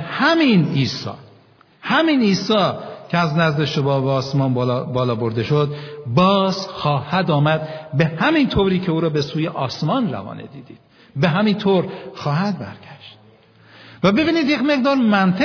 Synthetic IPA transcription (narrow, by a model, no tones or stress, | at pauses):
hæminiːsɒ̰ː | hæmiːniːsɒːcʰeæznæzd̪eʃobɒːbːsmɒːnbbɒːlɒːbo̞ɾd̪e̞ʃod̪bɒːzxɒːhæd̪ɒːmæd̪̚be̞hæmint̪ʰoːɾiːcʰe̞uːɾɒːbe̞suːjeʔɒːsmɒːnræ̰vɒ̰ːnḛd̪iːd̪iːd̪̥̚ | beɦæmint̪ʰoːɾxɒːhæd̪̚bæɾɡ̥æʃt̪̚ | væbe̞biːnid̪jecme̞ɣd̪ɒːɾmænt̪ʰe